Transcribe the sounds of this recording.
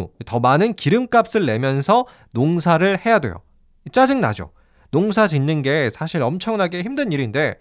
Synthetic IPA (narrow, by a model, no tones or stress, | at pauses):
itʌmanɯnkiɾɯmk͈ap̚s͈ɯɭːe̞mjʌnsʰʌ | noŋsʰaɾɯɭhe̞jadwe̞̰jo̰ | it͡ɕ͈ad͡ʑɯŋna̰d͡ʑo̰ | noŋsʰad͡ʑinːɯnɡe̞sʰaɕʰiɾʌmt͡ɕʰʌŋnaɡe̞çimdɯniɾinde̞